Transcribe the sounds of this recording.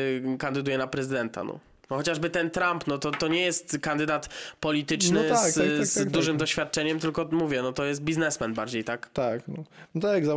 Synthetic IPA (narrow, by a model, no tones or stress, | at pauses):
kand̪ɘd̪ujɛnapɾɛzɘd̪ɛnt̪a̰nɔ̰ | nɔxɔt͡ɕaʐbɘt̪ɛnt̪ɾampnɔt̪ɔt̪ɔɲɛjɛst̪kand̪ɘd̪at̪pɔlʲit̪ɘt͡ʂnɪzzd̪uʐɘmd̪ɔɕfʲjat̪̚t͡ʂɛɲɛmt̪ɘlkɔmuvʲjɛnɔt̪ɔjɛst̪̚bʲiznɛsmɛnbaɾd͡ʑejt̪akt̪aknɔt̪aɡza